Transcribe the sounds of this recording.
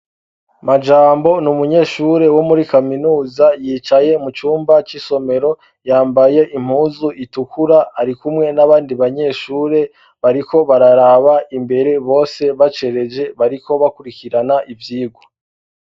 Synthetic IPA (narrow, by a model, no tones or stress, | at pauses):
mad͡ʒaːmbo̞numuɲe̞ːʃuɾe̞wo̞muɾikaminuːzajiːt͡ʃaje̞mut͡ʃuːmbat͡ʃiso̞me̞ɾo̞ | jaːmbaje̞ʔim̥huːzuʔitukʰuɾaaɾikumŋe̞naβaːndiβaɲe̞ːʃuːɾe̞ | βaɾiko̞βaɾaɾaβaimbe̞ɾe̞βo̞ːse̞βat͡ʃe̞ɾe̞d͡ʒe̞βaɾiko̞βakuɾikiɾanaʔivjiːɡwo